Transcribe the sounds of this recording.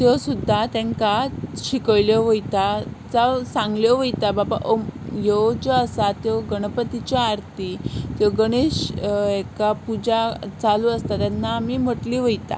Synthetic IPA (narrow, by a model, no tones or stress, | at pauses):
t̪jɔsud̪ʱːat̪ɛ̃ŋkaɕikəjljɔʋəjt̪at͡sasãŋɡljɔʋəjt̪ababa̰ʔojɔd͡ʑɔəsat̪jɔɡəɽ̃əpət̪it͡ɕaːɾt̪ʰit̪jɔɡəɽ̃eɕekapud͡ʑat͡saluəst̪at̪janːaːmim̤əʈliʋəjt̪a̰